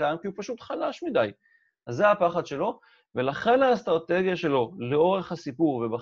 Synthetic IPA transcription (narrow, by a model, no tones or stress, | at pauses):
amkiupaʃut̪χalaʃmid̪aj | azːeapaχad̪ʃe̞lo̞ | ve̞laχe̞naːst̪ʁat̪e̞ɡjaʃe̞lo̞leo̞ʁe̞χhasipuʁveba